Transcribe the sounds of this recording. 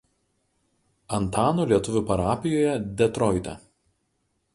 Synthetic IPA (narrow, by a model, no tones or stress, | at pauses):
ɐnt̪aɑːnoːlʲiɛt̪ʊʋʲʊpɐɾaːpʲɪjoːjɛd̪ʲɛt̪ɾɔɪt̪ʲɛ̰